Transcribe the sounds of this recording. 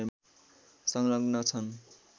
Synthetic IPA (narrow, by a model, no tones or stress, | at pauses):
sʌŋlʌɡnʌt͡sʰʌn